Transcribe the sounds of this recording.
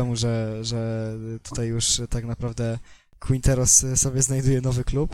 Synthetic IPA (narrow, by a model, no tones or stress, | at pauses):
ɛmuʐɛʐɛt̪u̥t̪ajːuʂt̪aknapɾavd̪ɛ | kwint̪ɛɾɔsːɔbʲjɛznajd̪ujɛnɔvɘklup